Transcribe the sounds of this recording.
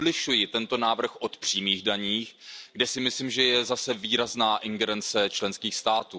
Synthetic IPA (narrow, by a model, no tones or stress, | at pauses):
lɪʃujɪt̪ɛnt̪onaːvr̩xʔot̪pr̥iːmiːɣdaɲiːxɡdɛsɪmɪsliːmʒɛjɛzasɛviːɾaznaːʔɪŋɡɛɾɛnt͡sɛt͡ʃlɛnskiːxst̪aːt̪uː